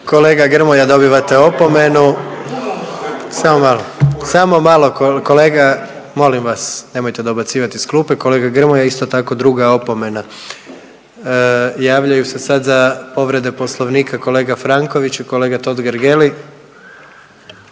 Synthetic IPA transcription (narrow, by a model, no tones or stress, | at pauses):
ko̞le̞ːɡaɡr̩mojad̪o̞biʋat̪e̞o̞po̞me̞nu | saːmomalosamo̞maːlˠo̞koko̞le̞ːɡa | mo̞limʋasne̞mo̞jt̪e̞d̪obat̪siːʋat̪isklupeko̞le̞ːɡaɡr̩mojaist̪o̞t̪ako̞d̪ɾuɡao̞po̞me̞na | jaːʋʎajuse̞sad̪zapo̞ʋɾe̞d̪e̞po̞slˠoʋniːkʰako̞leːɡafɾaŋko̞ʋit͡ʃikoleːɡat̪o̞d̪ɡɾɡeli